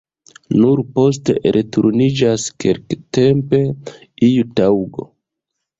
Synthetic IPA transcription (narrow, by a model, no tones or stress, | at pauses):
nuɾpo̞s̬tḛɾʔetuɾnid͡ʒaskelkte̞mpe̞ | ijutawɡo̞̰